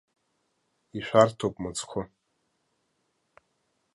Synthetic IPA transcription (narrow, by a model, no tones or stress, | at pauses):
iʃʷᶣartʰowpʼmɨt͡sʰkʷʰʊ